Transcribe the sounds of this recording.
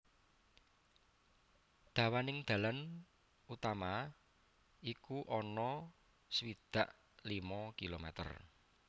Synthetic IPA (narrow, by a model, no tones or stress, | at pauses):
d̪̥a̤wanɪŋd̪̥ä̤lan | ut̪ama | ikuʔɔnɔ | səwid̪̥a̤ʔ | limɔkilomɛ̰t̪ə̰r